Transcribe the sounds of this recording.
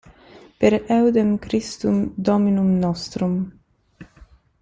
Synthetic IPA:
peɾɛwd̪emkɾist̪umd̪ɔminumnɔst̪ɾum

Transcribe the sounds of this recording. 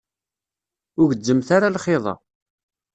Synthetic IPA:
ʊʝəd͡zːəmθaɾalχɪðˤɑ̰

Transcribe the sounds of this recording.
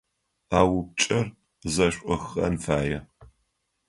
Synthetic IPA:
aːwʊp̚t͡ʃʼɐr | zɐɕʷʼʔʼʊxɐ̰nfaːjɛ

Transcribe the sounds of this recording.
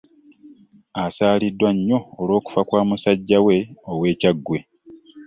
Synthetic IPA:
asaːlidːwaɲːo̞ːlwo̞ːku̥fakwaːmusaɟːawe̞owe̞ːcaɡːwe̞

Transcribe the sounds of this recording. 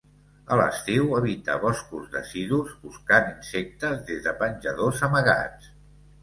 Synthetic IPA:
ələ̰st̪iwəβit̪ə̰βɔskuzðə̰siðuzβuskaninsek̚t̪əzðezðəpənʲʒəðozəməɣa̰t͡s

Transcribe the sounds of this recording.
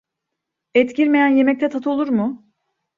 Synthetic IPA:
ɛt̪ciɾme̞jænjemɛc̚t̪ɛt̪ʰat̪ʰɯo̞lˠuɾmʊ

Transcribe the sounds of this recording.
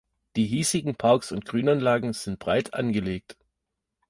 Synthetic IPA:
d̥iːɦiːzɪɡŋ̩pʰaʊksʊnt̚ɡ̥ʁyːnanlaːɡŋ̩z̥ɪnt̚b̥ʁaɪtʰʔa̰nɡəleːk̚t

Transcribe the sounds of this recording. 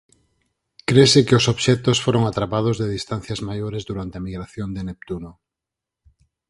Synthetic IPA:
kɾesɪkeosoβʃɛt̪osfoɾoŋat̪ɾapað̞ozðeðist̪an̟θjazmajoɾezðuɾant̪eamiɣɾaθjond̪enep̚t̪uno

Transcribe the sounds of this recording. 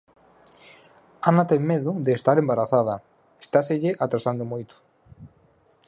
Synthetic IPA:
anat̪eŋmeðʊðeːst̪aɾembaɾaθað̞ɐa | e̥st̪aseʎɪʔat̪ɾasand̪omojt̪ʊ̥

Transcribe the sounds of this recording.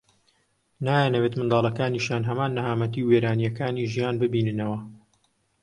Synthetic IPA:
naːjanɐweːt̪mɨnd̪ɑːlˠɐkaːniːʃjaːnɦɐmaːnːɨɦaːmɐt̪̬iːweːɾaːnijɐkaːniːʒijaːnbɨbiːnɨnɐwɐ

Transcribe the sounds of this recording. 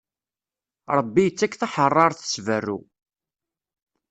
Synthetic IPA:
ɾˤəbːijət͡sːækːθaħərˤːɑɾˤθə̥svərːṵ

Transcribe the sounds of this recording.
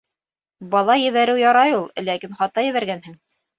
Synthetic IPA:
bɑlˠɑjɘ̆βæɾɘwjɑɾɑjulˠlækinχɑt̪ːɑjɘ̆βæɾɡænhɘŋ

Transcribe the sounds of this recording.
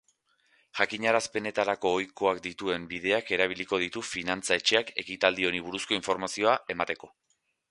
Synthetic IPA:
ʝakiɲaɾaspe̞ne̞t̪aɾako̞ːjko̞akd̪it̪ue̞mbið̞e̞ake̞ɾaβ̞iliko̞ð̞it̪ufinant͡sae̞t͡ʃe̞ake̞kit̪ald̪io̞niβ̞uɾusko̞iɱfo̞ɾmasio̞ae̞mat̪e̞ko̞

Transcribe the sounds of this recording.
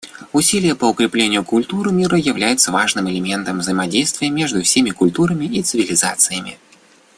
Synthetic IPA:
ʊsʲilʲɪjəpəʊkɾʲɪplʲenʲɪjʊkʊlʲt̪uɾɨmʲiɾəjɪvlʲæjɪt̪səvaʐnɨmɛlʲɪmʲent̪əmvzəjɪmɐdʲejst̪vʲɪjəmʲeʐd̪ʊfsʲemʲɪkʊlʲt̪uɾəmʲɪit̪sɨvʲɪlʲɪzat̪sɨjəmʲɪ̰

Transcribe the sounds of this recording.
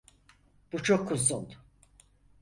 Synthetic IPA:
b̥ut͡ʃʰokʰːuzun

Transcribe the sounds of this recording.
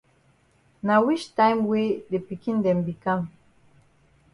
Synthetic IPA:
nawit͡ʃtãɪ̃mwedepikĩndɛ̃mbikãm

